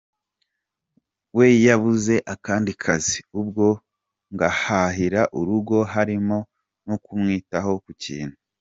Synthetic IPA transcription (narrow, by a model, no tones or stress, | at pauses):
we̞jaβuze̞ʔakaːndikʰaziub̚ɡo̞ | ŋɡahaɦiɾaʔuɾuɡo̞ɦaɾimo̞ | nokumŋiːtaho̞kucḭːn̥hu